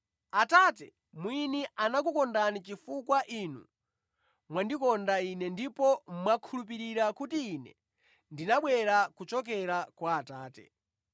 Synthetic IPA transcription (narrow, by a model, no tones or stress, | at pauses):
atatɛ | mwiniʔanak̬ukɔndanit͡ʃifukwaʔinṵ | mwandikɔndainɛndipɔmmwakʰulup̬iɾiɾakutiːnɛ̰ | ndinaɓwɛɾakut͡ʃɔk̬ɛɾakwaːtaːtɛ̰